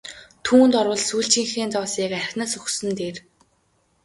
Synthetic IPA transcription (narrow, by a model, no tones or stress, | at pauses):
t̪ʰuːnt̪ɔɾwə̆ɮsujɬt͡ɕĭŋxeːnt͡sɔːsiːkærʲxʲnăːsɵxsɘ̆nt̪eːr